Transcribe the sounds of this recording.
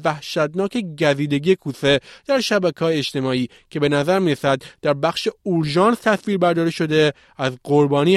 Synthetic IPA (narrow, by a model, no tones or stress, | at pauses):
væhʃæd̪nɒːcʰe̞ɟæziːd̪eɟiekʰuːse̞d̪̥æɾʃæbækʰɒːjeeʃt̪e̞mɒːiː | cʰe̞be̞næzæɾmiːɾesæd̪d̪̥æɾbæxʃe̞oɾʒɒːnst̪ʰæsfiːɾbæɾd̪ɒːɾeʃo̞d̪e̞ | æzɢoɾbɒːniː